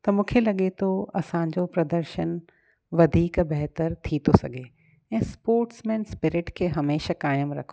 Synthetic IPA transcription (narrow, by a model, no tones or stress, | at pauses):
t̪ɐmũːkʰelɐɠet̪ʰoɐsãɲd͡ʑopɾɐd̪əɾʃən | ʋɐd̪ʱiːkbɛɦt̪əɾt̪ʰit̪ʰosɐɡʱe | ɛ̃ːspoːɾʈsmɛ̃ːnspɪɾɪʈkʰeːɦɐmeːʃakaːjəmɾɐkʰo